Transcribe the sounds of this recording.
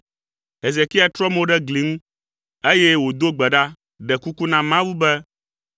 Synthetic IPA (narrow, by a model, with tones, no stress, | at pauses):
ɦe˨ze˨ki˦a˨t̪ɾɔ˦mo˦ɖɛ˦ɡli˨˦ŋũ˦ | e˦jɛ˦wo˨d̪o˦ɡ͡bɛ˨ɖa˦ | ɖɛ˨ku˦ku˦nã˦mã˦wu˦bɛ˦